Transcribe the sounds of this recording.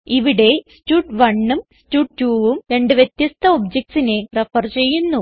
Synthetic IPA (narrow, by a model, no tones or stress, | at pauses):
iʋiɽe̞stuːʈʋɐɳːumstuːʈʈuːʋumɾe̞ɳɖɨʋjet̪jɐst̪ʰɐobd͡ʑek̚sine̞refɐrt͡ɕe̞jːunːu